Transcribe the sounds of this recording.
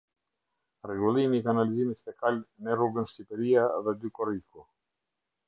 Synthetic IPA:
rɛɡulˠimit̪analizimist̪ɛkalʲnɛruɡənsipɛɾiaðɛd̪ykɔɾiku

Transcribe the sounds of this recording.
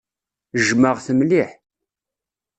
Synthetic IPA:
ʒməʁθəmliħ

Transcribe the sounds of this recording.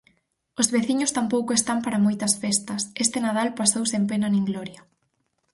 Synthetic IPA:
ʊzβeθiɲʊst̪ampowkʊest̪ampaɾɐmojt̪ɐsfest̪ɐsest̪ɪnað̞alpasowsempenɐneŋɡlɔɾjɐ

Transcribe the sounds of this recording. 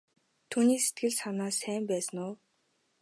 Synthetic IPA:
t̪ʰuːniːse̥t̪̚ɡɘ̆ɮsanaːsæːmpæːsə̆nʊː

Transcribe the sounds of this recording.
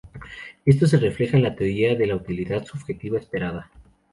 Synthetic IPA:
e̞s̬t̪o̞s̬e̞re̞fle̞xaenlat̪e̞o̞ɾiaðe̞laut̪iliðaðsuβ̥xe̞t̪iβaespe̞ɾaða

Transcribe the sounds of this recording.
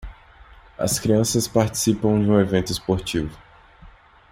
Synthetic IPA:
ɐ̰skɾiɐ̃sɐspaɾt͡ʃi̥sipɐ̃w̃d͡ʒɪũevẽnt̪ʊɪspoɾt͡ʃivʊ

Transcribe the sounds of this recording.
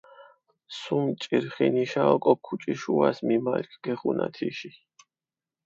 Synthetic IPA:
sumt͡ʃʼiɾχiniʃaɔkʼɔkʰːut͡ʃʼiʃuasmimalkʰɡ̥ɛχunʔa̰t̪ʰiʃi

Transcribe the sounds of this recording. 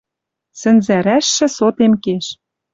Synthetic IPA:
sɘ̆nzæɾæʃːɘ̆sot̪emkeʃ

